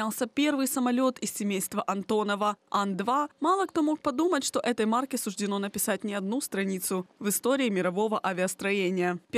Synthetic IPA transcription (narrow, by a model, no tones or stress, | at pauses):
alˠsʲəpʲe̞rvɨjsəmɐlʲo̞t̪ɪsʲsʲɪmʲejst̪vəʔɐnt̪o̞nəvəand̪vamɑlˠəkt̪o̞mo̞k̚pɐd̪umətʲʂt̪o̞ʔɛt̪əjmarkʲɪsʊʐdʲɪno̞nəpʲɪsat̚ʲnʲɪɐd̪̚nust̪ɾɐnʲit̪sʊvɨst̪o̞ɾʲɪːmʲɪɾɐvo̞vəʔavʲɪəst̪ɾɐjenʲɪjəpʲ